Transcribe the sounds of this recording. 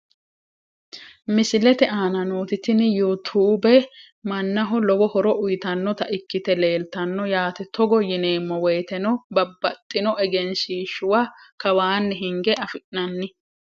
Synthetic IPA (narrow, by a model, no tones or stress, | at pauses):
mɪsɪlɛt̪ɛaːnɐnoːt̪ɪt̪ɪnjut̪ʰuːbɛ | mɐnːɐɦɔlɔwɔhɔɾɔʔʊjɪt̪ɐnːɔt̪ɐʔɪkːɪt̪ɛle̞ːlt̪ɐnːɔjaːt̪ɛt̪ɔɡɔjɪne̞ːmːɔwɛjt̪ɛnɔbɐbːɐt̪ʼːɪnɔʔɛɡɛnsiːʃʊwakɐwaːnːɛɦɪŋɡɛʔɐfɪʔnɐnːɪ